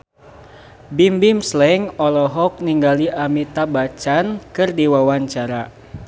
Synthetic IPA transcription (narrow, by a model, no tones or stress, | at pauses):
bimbimslɛŋɔlɔɦɔk̚niŋɡaliʔamit̪abat͡ʃankɨrdiwawaɲt͡ʃaɾa